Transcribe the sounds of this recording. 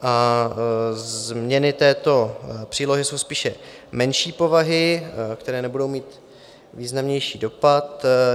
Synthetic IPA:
ʔa | zmɲɛnɪt̪ɛːt̪o̞pr̝̥iːlo̞ɦɪso̞wspiːʃɛ | mɛnʃiːpo̞vaɦɪkt̪ɛɾɛːnɛbudo̞wmiːt̪ | viːznamɲɛjʃiːdo̞pat̪

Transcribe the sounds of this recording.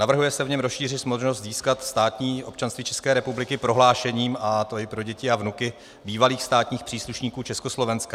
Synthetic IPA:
navr̩ɦujɛsɛvɲɛmɾosʃiːr̝ɪt̪smodʒnost̪ziːskat̪st̪aːt̪ɲiːʔo̞p̚t͡ʃanst̪viːt͡ʃʰɛskɛːɾɛpublɪkɪpɾo̞ɦlaːʃɛɲiːmat̪oɪpɾo̞ɟɛcɪavnukɪ | biːvaliːxst̪aːt̪ɲiːxpr̥iːsluʃɲiːkuːt͡ʃɛskoslovɛnska

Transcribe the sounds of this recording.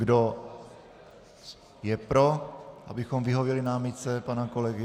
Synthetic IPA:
ɡdo | jɛpɾoʔabɪxo̞mvɪɦovjɛlɪnaːmɪt͡sɛpanako̞lɛɡɪ

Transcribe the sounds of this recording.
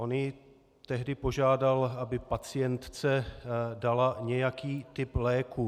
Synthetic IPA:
ʔonjɪ | t̪ɛɦdɪpo̞ʒaːdalabɪpat͡sɪjɛnt̪t͡sɛdalaɲɛjakiːt̪ɪplɛːku

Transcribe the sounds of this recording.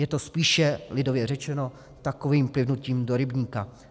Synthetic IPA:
jɛt̪o̞spiːʃɛlɪdo̞vjɛr̝ɛt͡ʃɛno̞ | t̪ako̞viːmplɪvnuciːmdoɾɪbɲiːka

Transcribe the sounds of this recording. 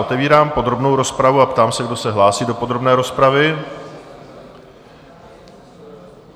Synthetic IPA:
ot̪ɛviːɾaːmpo̞d̪ɾo̞bno̞wɾo̞spɾavuapt̪aːmsɛɡdo̞sɛɦlaːsiːdopo̞d̪ɾo̞bnɛːɾo̞spɾavɪ

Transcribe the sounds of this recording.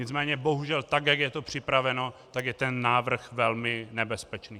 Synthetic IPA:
ɲɪt͡smɛːɲɛbo̞ɦuʒɛlt̪aɡjaɡjɛt̪o̞pr̝̥ɪpɾavɛno̞t̪aɡjɛt̪ɛnːaːvr̩xvɛlmɪnɛbɛspɛt͡ʃniː

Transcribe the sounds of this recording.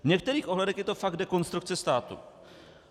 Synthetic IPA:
vɲɛk̚t̪ɛɾiːxʔo̞ɦlɛdɛxjɛt̪o̞faɡ̚dɛko̞nst̪ɾuk̚t͡sɛst̪aːt̪ṵ

